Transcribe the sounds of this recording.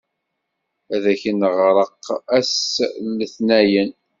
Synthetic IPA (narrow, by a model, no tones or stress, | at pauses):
æðæçənəʁɾˤəqːæsləθnæjən